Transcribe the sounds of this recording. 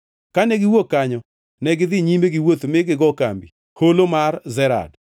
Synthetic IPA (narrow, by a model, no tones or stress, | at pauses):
kanɛɡɪwokːaɲɔ | nɛɡɪd̪ɪɲimeɡɪwot̪mɪɡɪɡɔkambi | holomarzɛɾa̰d